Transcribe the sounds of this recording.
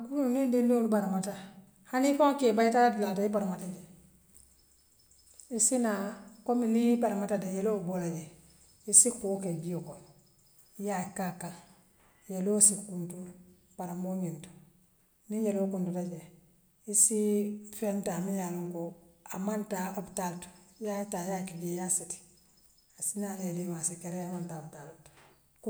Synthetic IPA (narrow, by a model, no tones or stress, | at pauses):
aɡuɾuunindilolubaɾamata | hanifoŋkebajitaadilatajibaɾamatad͡ʒe | isinakominipaɾamatadajelobolad͡ʒe | isikoːkebijokon | jakakal | jelosikuntu | paɾamoɲinto̥ | niɲelokuntutaɟe | isifentamijaluŋkoa̰mantaobtalto̥jatajakiɡejasiti̥ | asinaeliwasikeɾeamantabtalut | k